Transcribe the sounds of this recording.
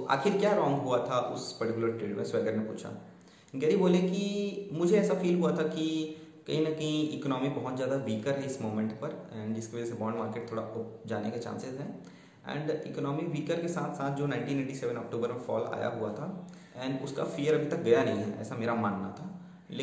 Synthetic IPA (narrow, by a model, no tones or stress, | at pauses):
a̰ːxɪɾkjaːɾɔːŋɡɦuat̪ʰaʔʊspɐɾʈɪkjʊləɾʈɾeːɖmẽswɛːɡəɾnẽpṵːt͡ʃʰa̰ | ɡɛːɾiboːlẽkimʊd͡ʒʱeɛːsafiːlɦuat̪ʰaki | kɐɦĩnɐkɐɦĩɪknɔːmibɐɦʊt̪zjaːd̪aʋiːkəɾɦɛɪsmoːmẽɳʈpɐɾɛ̃ːɳɖɪskeʋɐd͡ʒɛsebɔːɳɖmaːɾkeːʈ̚t̪ʰoːɽaʊp̚d͡ʒaːneket͡ʃa̰ːnsezɦɛː | ɛ̰̃ːɳɖɪknɔːmikʋiːkəɾkesaːt̪ʰsaːt̪̚ʰd͡ʒoːnãɪ̃ɳʈiːneːʈiseːʋə̃nɔːk̚ʈuːbəɾmẽfɔ̰ːla̰ːja̰ɦua̰t̪ʰa | ɛ̃ːɳɖʊska̰fiːjəɾɐbʱit̪ɐk̚ɡɐjanɐɦĩɦɛɛ̰ːsameːɾamaːnːat̪ʰaː | le